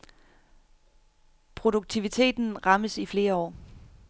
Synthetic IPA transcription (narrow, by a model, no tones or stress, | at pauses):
pʰʁo̝ɾ̥uɡ̥̚t͡sʰiʋit͡sʰe̝̰ːd̥n̩ʁɑ̈məsifle̝ːɐɒ̰ː